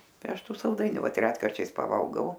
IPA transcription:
ˈtɐɪ ˈɐʃ ˈtuː sɐlˠˈdɐɪnʲʊ ˈʋɐt ˈrʲæːtkɐrʲt͡ʃʲɛɪs pɐˈʋɐlˠɡɐʊ

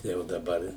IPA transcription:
ˈtɐɪ jɛʊ dɐˈbɐr

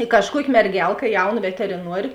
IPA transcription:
ɪ kɐʃˈkuɔkʲɪ mʲɛrʲˈɡʲɛlˠkɐ ˈjɛʊˌnɐ ʋʲɛtʲɛrʲɪˈnuɔrʲeː

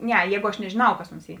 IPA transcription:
ˈnʲɛ ˈjɛːɡʊ ɐʃ nʲɛʒʲeːˈnɐʊ kɐs oːnʲsʲˈiː

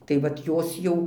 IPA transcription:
tɐɪ ˈʋɐt ˈjoːs jɛʊ

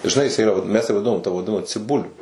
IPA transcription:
ʒʲɪˈnɐɪ jɪˈsɐɪ ɪˈrɐ ʋɐt ˈmʲɛs jæː ʋɐˈdʲɪnoːm tɐ ʋɐˈdʲɪnɐmɐ t͡sʲɪˈbʊlʲʊ

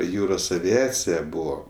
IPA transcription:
ˈjuːroːs ɐʋʲɪˈɑːt͡sʲɪjɛ ˈbʊʋoː

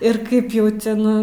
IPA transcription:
ɪr ˈkɐɪp jɛʊ ˈtʲɛn

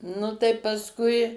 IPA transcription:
ˈnʊ tɐɪ pɐsˈkʊɪ

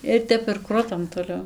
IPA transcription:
ɪr ˈtʲɛp ɪr ˈkrʊtɐm toːˈlʲɛʊ

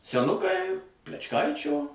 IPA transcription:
sʲɛˈnʊkɐɪ pʲlʲɛt͡ʃˈkɐɪt͡ʃʲoː

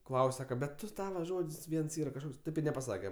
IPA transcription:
ˈklˠɐʊsʲ ˈsɑːkɐ bʲɛt ˈtʊ ˈtɑːʋɐ ˈʒoːtʲsʲ ˈʋʲiɛns ˈiːrɐ kɐʃˈkoːks ˈtɐɪp ɪr nʲɛpɐˈsɑːkʲɛ

